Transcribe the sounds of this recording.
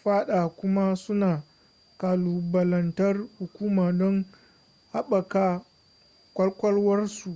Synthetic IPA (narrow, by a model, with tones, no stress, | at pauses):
ɸaː˦ɗaː˨kʷʊ˦ma˦sʊ˦naː˨ | kaː˨luː˨bɐ˨lɐ˨ntɐ˦rhʊ˨kʷuː˦maː˨dɔ˦ŋ | ha˦ɓɐ˨kaː˦ | kʷɐ˦lkʷɐ˦lwɐ˦rsu˨ʔ